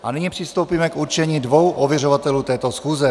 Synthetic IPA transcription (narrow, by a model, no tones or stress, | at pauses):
ʔanɪɲipr̥ɪst̪o̞wpiːmɛkuɾt͡ʃɛɲiːdvo̞wʔovjɛrovat̪ɛluːt̪ɛːt̪osxuːzɛ